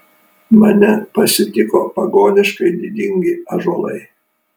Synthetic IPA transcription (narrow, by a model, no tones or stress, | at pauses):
mɐnʲɛpɐsʲɪt̪ʲɪkopɐɡoːnʲɪʃkɐɪd̪ʲid̪ʲɪŋʲɡʲɪɐʒoːlˠɐ̰ɪ